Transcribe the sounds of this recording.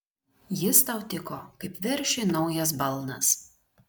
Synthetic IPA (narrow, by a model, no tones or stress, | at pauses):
jɪst̪ɐˑʊt̪ʲɪkokɐɪpʋʲɛɾʲʃʲenɒʊjɐs̬bɐlˠnɐ̰s